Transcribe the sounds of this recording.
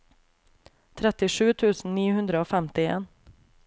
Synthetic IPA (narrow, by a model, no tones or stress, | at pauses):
t̪ʰɾɛt̪ːɪʂʉːt̪ʰʉ̟ːsn̩niːhɵnd̪ɾəoːfɛmt̪ɪḛːn